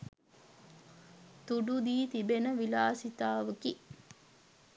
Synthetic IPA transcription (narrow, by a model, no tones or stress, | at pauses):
t̪uɖud̪iːt̪ibenəʋilaːsit̪aːʋəki